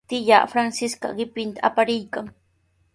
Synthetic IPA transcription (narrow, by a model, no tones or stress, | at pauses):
t̪ɪʎa̰ːfɾansɪskɑ̰ɢɪpɪnt̪aːpaɾɪjkaŋ